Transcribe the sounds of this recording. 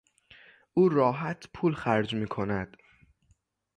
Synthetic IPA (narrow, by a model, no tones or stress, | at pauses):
ʔuːɾɒːɦæt̪ʰpʰuːlxæɾd͡ʒmiːkʰo̞næd̪̥